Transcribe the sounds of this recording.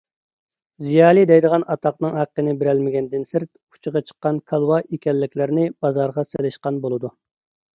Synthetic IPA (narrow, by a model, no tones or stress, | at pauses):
zijɑːlˠid̪ɛjd̪əʁɑnɑt̪ʰɑqnɨŋhæqːənɪbɪɾɛlmɪɡʲɛnd̪ɪnsɪɾt̪̚ | u̥t͡ʃʰɨʁɑt͡ʃʰə̥qːɑnkʰɑlˠwɑʔekʲɛlːɪkʲlɪɾnɪbɑzɑɾʁɑsɪlɪʃqɑnbolˠɨd̪u